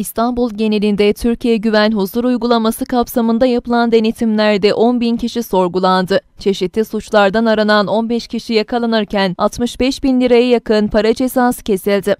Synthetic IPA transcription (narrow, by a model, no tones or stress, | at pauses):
ist̪ʰanbulˠɟe̞nelʲind̪ɛt̪ʰyɾcʰijɛɟyvænɦuzuɾujɡulˠamasɯkʰapsamɯnd̪ajapɯlˠand̪e̞net̪ʰimlʲæɾd̪ɛʔo̞nbincʰiʃiso̞ɾɡulˠand̪ɯt͡ʃʰe̞ʃit̪ʰlːʲisut͡ʃlˠaɾd̪anaɾanano̞nbɛʃcʰiʃijakʰalˠanɯɾcænat̪mɯʃbɛʃbinlʲiɾajajakʰɯnpʰaɾad͡ʒe̞saːsɯ̥cʰe̞silʲd̪ɪ